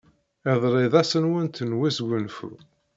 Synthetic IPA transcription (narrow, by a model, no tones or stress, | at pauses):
ɪðˤɾˤeðˤæsənwənt̪ənwisɡʷənfṵ